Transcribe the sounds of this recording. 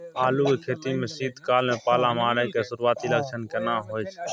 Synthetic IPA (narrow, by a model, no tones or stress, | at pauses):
aːlukekʰeːt̪imẽsiːd̪ʱkaːlmẽpaːlamaːɾəkesʊɾuaːt̪iləkt͡ʃʰənkenãːɦoːjt͡ʃʰ